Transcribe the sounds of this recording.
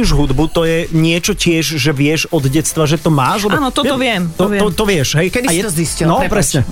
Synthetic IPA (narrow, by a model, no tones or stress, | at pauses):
uʒɦud̪but̪ɔjɛɲɪɛt͡ʃɔcɪɛʒʒɛʋɪɛʒɔd̪ɟɛtst̪ʋaʒɛt̪ɔmaːʃlɛbɔnɔt̪ɔt̪ɔʋɪɛmt̪ɔɔt̪ɔʋɪɛʃɦɛjkɛd̪iajɛɔziscilnɔpɾɛsɲɛ